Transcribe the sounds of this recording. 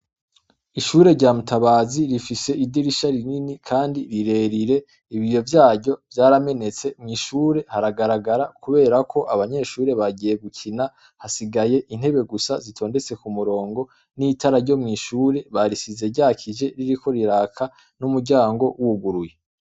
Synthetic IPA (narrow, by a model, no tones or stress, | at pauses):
iʃuːɾe̞ɾɟaːmutaβaːziɾifise̞ʔidiɾiʃaɾininikʰaːndiɾiɾe̞ːɾiɾe̞ | iβijo̞vjaːɾɟo̞vjaːɾame̞ne̞t͡se̞mŋiːʃuːɾe̞haɾaɡaɾaɡaɾakuβe̞ːɾakʰo̞ʔaβaɲe̞ʃuːɾe̞βaɟije̞ɡucʰina | hasiɡaje̞ʔin̥he̞βe̞ɡusazitʰo̞ːnde̞t͡se̞kumuɾo̞ːŋɡo̞ | niːtʰaɾaɾɟo̞mŋiːʃuːɾe̞βaɾisize̞ɾɟaːkʰid͡ʒe̞ɾiɾiko̞ɾiɾaːkʰa | numuɾɟaːŋɡo̞wuɡuɾuje